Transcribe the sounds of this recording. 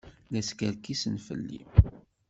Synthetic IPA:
læskæɾkisənfə̰lːḭm

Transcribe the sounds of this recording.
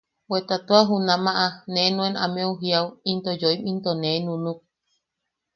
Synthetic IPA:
wet̪at̪uaɦunãmãʔanẽnũẽnamẽuɦiawint̪od͡ʒoimĩnt̪onẽnũnuk̚

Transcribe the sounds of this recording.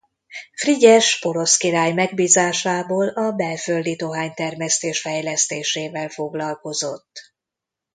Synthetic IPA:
friɟɛʃpo̞ɾo̞skiɾaːjmɛɡ̚biːzaːʃaːboːlɒbɛlføld̪it̪oɦaːɲt̪ɛrmɛst̪eːʃfɛjlɛst̪eːʃeːvɛlfo̞ɡlɒlko̞zo̞t̪ː

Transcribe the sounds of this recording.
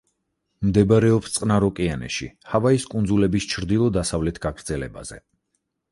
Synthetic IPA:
md̪ɛbɾɛɔpst̪sʼqʼnaɾɔkʼianɛ̰ʃḭhavaiskʼund̪zulɛbist͡ʃʰɾd̪ilˠɔd̪asavlɛt̪ʰɡ̥aɡɾd̪zɛlɛba̰z̥ɛ̰

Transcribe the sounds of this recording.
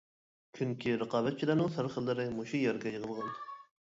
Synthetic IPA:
kʲʰyŋkʲʰiɾəqɑːbɛt̪̚t͡ʃʰilæɾmɨŋsəɾχəlˠːɨɾɪmoʃujæɾɡʲɛjəʁəlˠʁɑn

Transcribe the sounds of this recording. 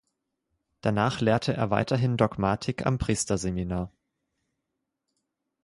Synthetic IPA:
d̥anaːχleːɐtʰəʔḛːɐva̰ɪtɐɦɪndɔɡmaːtʰɪka̰mpʁ̥iːstɐzeminaːɐ

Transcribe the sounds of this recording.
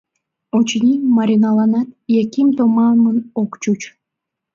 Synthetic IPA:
ot͡ɕnʲimɑɾʲinɑlɑnɑt̪jekʲimt̪omɑmənokt͡ɕut͡ɕ

